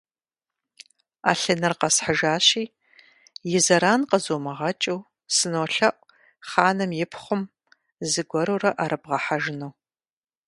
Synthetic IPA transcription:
a̰ːɬɨnɐrqɐsħəʒaːɕiː | jɪzɐɾaːnqəzoːmɐʁɐt͡ʃʼɐw | sɨnoːɬɐʔʷʼ | χaːnɨmjɪpʰχʷʊm | zɨɡʷɔɾoːrɐʔaːɾɨbʁɐħaʒɪnow

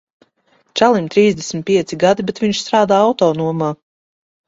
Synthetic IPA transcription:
t͡ʃalˠimt̪ɾiːzd̪ʲɛsmʲit̪piɛt̪siɡad̪ibɛt̪viɲʃst̪ɾaːd̪aːawt̪ɔːnuɔmaː

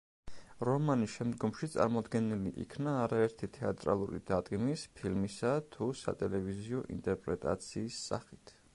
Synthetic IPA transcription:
ɾɔmaniʃɛmd̪ɡɔmʃit̪sʼa̰ɾmɔd̪ɡɛniliʔḭkʰnaːɾaɛɾt̪ʰit̪ʰɛat̪ʼɾa̰lˠuɾḭd̪̥ad̪ʼɡmispʰilmisat̪ʰusa̰t̪ʼɛlɛviziɔʔḭnt̪ʼɛɾpʼɾɛt̪ʼa̰t̪sʰiːsːa̰χit̪ʰ

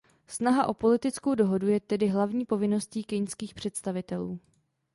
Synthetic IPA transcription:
snaɦaʔo̞po̞lɪt̪ɪt͡skowdo̞ɦo̞dujɛt̪ɛdɪɦlavɲiːpo̞vɪno̞sciːkɪnskiːxpr̝̥ɛt̪st̪avɪt̪ɛluː

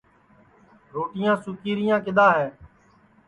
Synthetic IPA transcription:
ɾoːʈɪjãːsʊkiːɾɪjãːk̬ɪɗ̪aːɦɛ̃ː

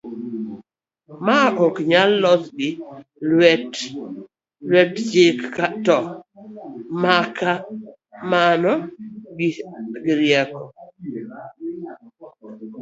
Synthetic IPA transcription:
maʔɔkɲalːɔt̪ɡɪwɛt | lwɛtd͡ʒekːatɔ | maka | manɔɡiɡɪɾjɛkɔ

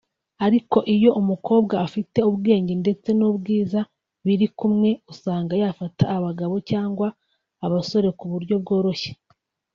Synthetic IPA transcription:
aɾiko̞ʔijo̞ʔumuko̞ːbɡaːfite̞uβɡe̞ːɲɟe̞nde̞t͡se̞nubɡiːza | βiɾikumŋe̞usaːŋɡajaːfataːβaɡaβo̞caːŋɡwaː | βaso̞ɾe̞kuβuɾɟo̞b̚ɡo̞ːɾo̞çe̥

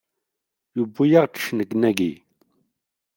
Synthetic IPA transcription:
jubːujaʁt͡sə̥ʃnəɡnæɡḭ

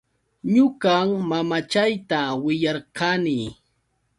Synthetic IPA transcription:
ɲʊkaŋmamat͡ʃajt̪awɪjɑɾqɑni

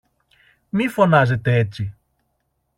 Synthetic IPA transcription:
mifo̞nɐze̞t̪e̞et͡si

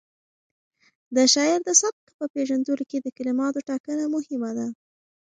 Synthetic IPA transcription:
d̪əʃɑɪɾd̪əsab̪̚kpəpeʒand̪əloked̪əkalɪmɑt̪oʈɑkənamʊhɪmad̪a

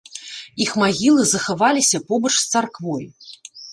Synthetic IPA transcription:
ixmaɣʲilˠɨzɐxavalʲisʲɐpɔbɐt͡ʂst̪sarkvɔj

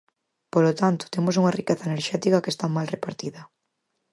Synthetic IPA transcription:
polot̪ant̪ʊ̥t̪emos̬uŋarikɛθaeneɾʃɛt̪ikakest̪amalrepaɾt̪iðɐ

